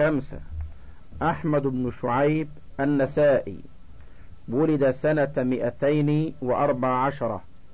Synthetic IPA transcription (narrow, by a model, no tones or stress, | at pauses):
amsa̰ | ʔaħmad̪ɪbnʊʃʊʕajbʔanːasaːʔḭː | wʊlɪd̪asanamɪʔat̪ajnwɪʔɑɾˤbaʕʕaʃɑɾˤɑ̰